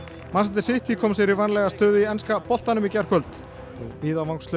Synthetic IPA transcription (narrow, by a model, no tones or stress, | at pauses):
mansɛnt̪ɪ̥sɪht̪ʰikʰɔmsɛɾivanlɛɣast̪œːðɪiɛnskapɔl̥t̪anʏmicɛr̥kʰœlt̪ | ɔɣiːðamawŋkslʏ